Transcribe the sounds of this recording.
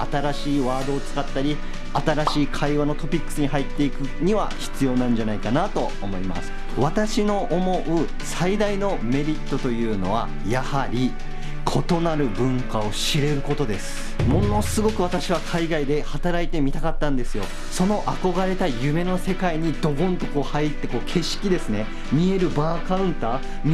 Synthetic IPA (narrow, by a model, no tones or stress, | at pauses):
at̪aɾaɕiːβaːd̪o̞ːt͡sɨ̥kat̪ːaɾʲi | at̪aɾaɕiːkʰaiβano̞t̪o̞pʲikːɯ̥sɨɲ̟ihɦait̪ːe̞ikɯ̟ɲ̟iβaçi̥t͡sɨjo̞ːnãɲ̟d͡ʑanaikanat̪o̞ːmo̞ima̰sɨ̥ | βat̪aɕino̞ʔomo̞ʔɯ̟ | said̪aino̞me̞ɾʲit̪ːo̞t̪o̞jɯ̟ːno̞̰βa̰ | jahaɾʲi | kʰo̞t̪o̞naɾɯ̟bɯ̟̃ŋkao̞ɕiɾe̞ɾɯ̟ko̞t̪o̞d̪e̞sɨ̥ | mo̞no̞sɨɡo̞kɯ̟β̞at̪aɕiβ̞akʰaiɡaid̪e̞hat̪aɾait̪e̞mʲit̪akat̪ːãnd̪e̞sɨjo̞ | so̞no̞ʔako̞ɡaɾe̞t̪ajɯ̟me̞no̞se̞kaiɲ̟id̪o̞ɡõ̞nt̪o̞kɯohait̪ːe̞ko̞ːkʰe̞ɕi̥kʲid̪e̞sɨne̞ | mʲie̞ɾɯ̟baːkaɯ̟̃nt̪aː | m